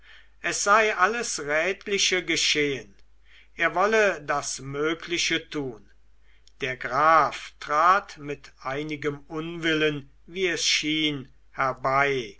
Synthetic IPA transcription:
ʔɛsz̥aɪʔaləsʁɛːtʰlɪʃəɡəʃeːən | ʔeːɐvɔlədasmøːkʰlɪʃətʰuːn | d̥eːɐɡʁaːftʁ̥aːtmɪtʔaɪnɪɡəmʊnvɪlən | viːɛsʃiːn | hɛɐbaɪ

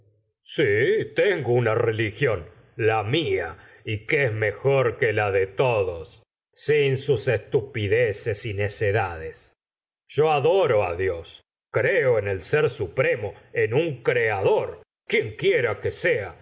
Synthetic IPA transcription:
sit̪eŋɡounarelixjo̞n | lamia | ikeezmexoɾkelaðet̪oðosː | insusest̪upiðesesineseðaðes | ʒ̥o̞aðoɾoa̰ðjo̞s | kɾeoenelseɾsupɾe̞mo̞enuŋkɾeaðoɾ | kjeŋkjeɾakesea

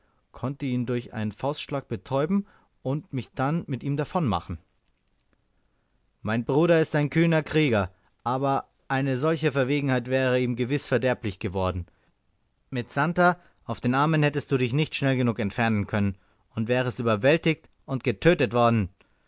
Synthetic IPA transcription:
kʰɔntəiːndʊɐçʔa̰ɪnənfaʊstʃlaːk̚b̥ətʰɔʏbm̩ | ʊntmɪçd̥anmɪtʔiːmdafɔnma̰χn̩ | maɪnbʁuːɾɐɪstaɪnkʰyːnɐkʁ̥iːɡɐ | ʔaːbɐ | ʔaɪnəzɔlçəfɛɐveːɡŋ̩haɪtv̥ɛːʁəiːmɡəvɪsfɛɐdɛɐplɪçɡ̥əvɔɐdn̩ | mɪtz̥anta | ʔaʊfd̥eːnʔaɐmənhɛtəst̚d̥uːdɪçnɪçtʃnɛlɡənuːkɛntfɛɐnənkʰœnən | ʊntv̥ɛːʁəɛstʔyːbɐvɛltɪçt | ʔʊntɡ̥ətʰøːtətv̥ɔɐdn̩

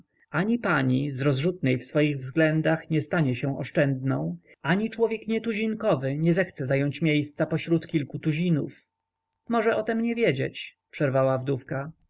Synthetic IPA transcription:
aɲipaɲizɾɔzʐut̪̚nɛjfsfɔjiɣvzɡlɛnd̪axɲɛst̪aɲɛɕɛ̃ɔ̰ʂt͡ʂɛnd̪nɔ̃w̃ | aɲit͡ʂwɔvʲjɛkɲɛt̪uʑinkɔvɘɲɛzɛxt̪sɛzajɔɲt͡ɕmʲjejst̪sapɔɕɾut̪kʲilkut̪uʑinṵf | mɔʐɛʔɔt̪ɛmɲɛvʲjɛd͡ʑḛt͡ɕpʂɛɾvawavd̪ufka

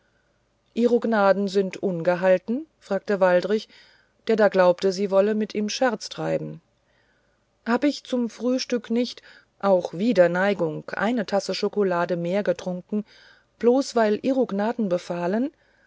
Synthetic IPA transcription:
ʔiːʁoɡnaːdn̩zɪntʔʊnɡəɦaltn̩fʁ̥aːk̚təvaldʁɪç | d̥eːɐdaːɡlaʊptəziːvɔləmɪtʔiːmʃɛɐt͡stʁ̥aɪbm̩ | haːbəɪçt͡sʊmfʁ̥yːʃtʏknɪçt | ʔaʊxv̥iːdɐnaɪɡʊŋkʔa̰ɪnətʰasəʃokolaːdəmeːɐɡətʁ̥ʊŋkŋ̩ | b̥loːsv̥aɪlʔiːʁoɡnaːdn̩bəfaːlən

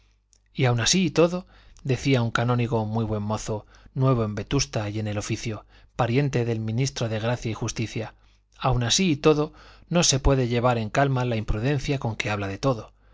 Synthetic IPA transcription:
iawnasiːt̪o̞ðo̞ | d̪e̞θiauŋkanoniɣ̞o̞mwijβ̞we̞nmo̞θo̞nwe̞β̞o̞e̞mbe̞t̪ust̪aje̞ne̞lo̞fiθjo̞ | paɾje̞nt̪e̞ðe̞lmĩnist̪ɾo̞ðe̞ɣ̞ɾaθjaixust̪iθja | awnasiːt̪o̞ðo̞no̞se̞pwe̞ðe̞ʝe̞β̞aɾe̞ŋkalmalaimpɾuðe̞nθjako̞ŋke̞aβlaðe̞t̪o̞ðo̞

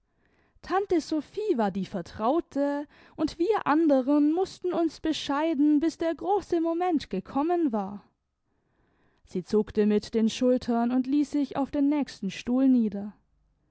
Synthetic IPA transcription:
tʰantəzofiːvaːɐdiːfɛɐtʁ̥aʊtʰə | ʔʊntv̥iːɐʔandəʁənmʊstn̩ʊnsb̥əʃaɪdn̩bɪsd̥eːɐɡʁoːsəmomɛntɡ̥əkʰɔmənvaːɐ | z̥iːt͡sʊktəmɪtd̥eːnʃʊltʰɐnʊntliːsz̥ɪça̰ʊfd̥eːnːɛːçstn̩ʃtuːlniːdɐ

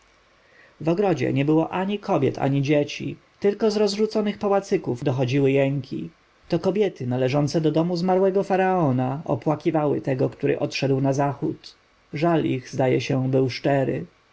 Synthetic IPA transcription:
vɔɡɾɔd͡ʑɛ̰ɲɛbɘwɔʔaɲikʰɔbʲjɛt̪ʰa̰ɲid͡ʑet͡ɕḭ | t̪ɘlkɔzɾɔzʐut̪sɔnɘxpawat̪sɘkuvd̪ɔxɔd͡ʑiwɘjɛŋkʲḭ | t̪ɔkɔbʲjɛt̪ɘnalɛʐɔnt̪sɛd̪ɔd̪ɔmuzmaɾwɛɡɔfaɾaɔnaɔpwakʲivawɘ̰t̪ɛɡɔkt̪uɾɘ̰ʔɔt̪ʂɛd̪wnazaxut̪ | ʐaliɣzd̪ajɛɕɛbɘwʂt͡ʂɛɾɘ̰

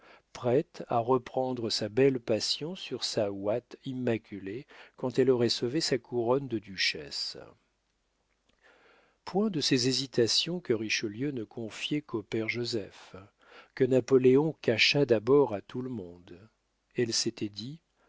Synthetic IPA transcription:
pχɛt̪aʁəpχɑ̃d̪ʁəsabɛlpasjɔ̃syʁsawat̪imːakʲylekɑ̃t̪ɛlɔʁɛsovesakʰuʁɔnd̪əd̪yʃɛ̰s | pwɛ̃d̪əsɛzezit̪asjɔ̃kəʁiʃəljønəkʰɔ̃fjɛkopɛʁʒozɛf | kənapɔleɔ̃kaʃad̪abɔʁat̪ʰuləmɔ̃d̪ | ɛlset̪ɛd̪i

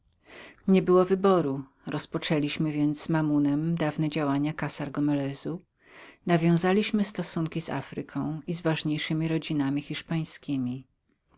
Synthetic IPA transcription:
ɲɛbɘwɔvɘbɔɾu | ɾɔspɔt͡ʂɛlʲiɕmɘvʲjɛnt̪zzmamunɛmd̪avnɛd͡ʑawaɲakasaɾɡɔmɛlɛzu | navʲjɔ̃w̃zalʲiɕmɘst̪ɔsuŋkʲiz̥a̰fɾɘkʰɔ̃w̃izvaʐɲejʂɘmʲiɾɔd͡ʑinamʲixʲiʂpaj̃skʲimʲi

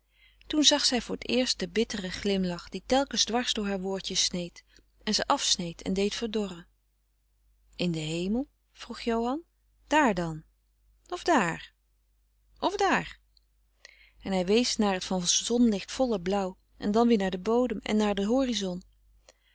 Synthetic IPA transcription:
tunzɑχsɛjvʊːɹətɪːɹst̚dəbɪtərəχlɪmlɑχd̥itɛlˠkənzdʋɑɹzdʊːɹɦaːɹʋʊːɹtəsnejt | ɛnzəʔɑfsnejtʰɛ̰ndejtfəɹdɔrə | ʔɪndəɦejməlˠ | v̥ruχjowɦɑn | d̥aːɹdɑn | ɔvdaːr | ʔɔvdaːɹ | ɛnɦɛjʋejsnaːɹətfɑnzɔnlɪχtfɔlˠəblʌw | ʔɛ̰ndɑnʋɪːɹnaːɹdəbowdəmɛ̰nːaːɹdəɦoːrizɔn

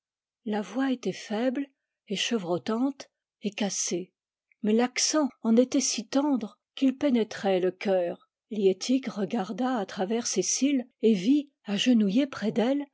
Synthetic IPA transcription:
lavwaet̪ɛfɛbl | eʃəvʁɔt̪ɑ̃t̪ | ekase | mɛlaksɑ̃ɑ̃net̪ɛsit̪ɑ̃d̪ʁ | kilpenɛt̪χɛləkʲœːʁ | ljet̪ʰikʁəɡaʁd̪aːt̪χavɛʁsesilevi | aʒənujepχɛd̪ɛl

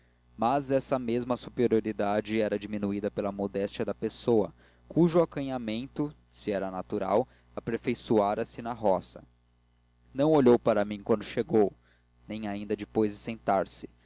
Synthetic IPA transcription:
mazɛsɐmezmɐsupeɾioɾid̪ad͡ʒɪɛɾɐd͡ʒiminuid̪ɐpelɐmod̪ɛst͡ʃiɐd̪ɐpesowɐ̰ | kʰuʒʊakɐ̃ɲamẽnt̪ʊ | siɛɾɐnat̪uɾa̰w | apeɾfejsuaɾɐsɪnɐɦɔsɐ | nɐ̃w̃oʎowpaɾɐmĩkwɐ̃nd̪ʊʃeɡow | nẽj̃aĩnd̪ɐd͡ʒipojzd͡ʒɪsẽnt̪aɾsɪ̥

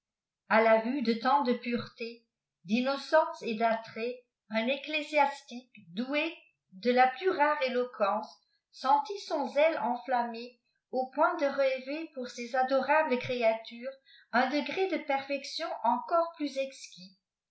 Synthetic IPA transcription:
alavyd̪ət̪ɑ̃d̪əpyʁt̪e | d̪inɔsɑ̃sed̪at̪χɛ | ɛ̃neklezjast̪ikd̪ue | d̪əlaplyʁaʁelɔkʰɑ̃sː | ɑ̃t̪isɔ̃zɛlɑ̃flame | opwɛ̃d̪əʁəlɛvepuʁsezad̪ɔʁabləkχeat̪yːʁ | ɛ̃d̪əɡʁed̪əpɛʁfɛksjɔ̃ʔɑ̃kɔʁplyzɛkskʲi

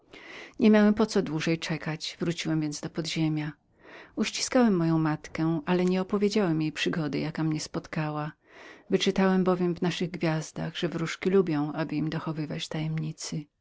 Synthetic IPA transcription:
ɲɛmʲjawɛmpɔt̪sɔd̪wuʐɛjt͡ʂɛkat͡ɕvɾut͡ɕiwɛmvʲjɛnd̪zd̪ɔpɔd̪ʑemʲja | uɕt͡ɕi̥skawɛmːɔjɔ̃w̃mat̪kɛʔalɛɲɛɔpɔvʲjed͡ʑawɛmjejpʂɘɡɔd̪ɛ̰jakamɲɛspɔt̪kawa | vɘt͡ʂɘt̪awɛmbɔvʲjɛmvnaʂɘɣɡvʲjazd̪a̰ɣʐ̥ɛvɾuʂkʲilubʲjɔ̃w̃ʔabɘimd̪ɔxɔvɘvat͡ɕt̪ajɛmɲit̪sɘ

